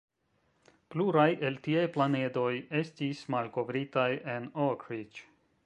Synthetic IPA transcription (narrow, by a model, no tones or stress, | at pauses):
pluɾajʔe̞ltiajplane̞do̞je̞stismalko̞vɾitajʔe̞nokɾit͡ʃ